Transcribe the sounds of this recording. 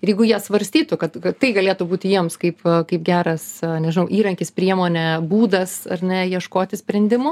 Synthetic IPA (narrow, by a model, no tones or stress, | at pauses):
ɪɾjɛɪɡʊjiɛsʋɐɾʲsʲt̪ʲiːt̪ʊkɐt̪kɐtt̪ːɐɪɡɐlʲeːt̪ʊbuːt̪ʲɪjiɛmskɐɪpkɐɪpɡʲæːɾɐsnʲɛʒʲɪnɐʊʔiːɾɐŋʲkʲɪspʲɾʲiɛmoːnʲɛbuːd̪ɐsɐɾʲnʲɛjiɛʃkoːt̪ʲɪsʲpʲɾʲɛnʲd̪ʲɪmʊ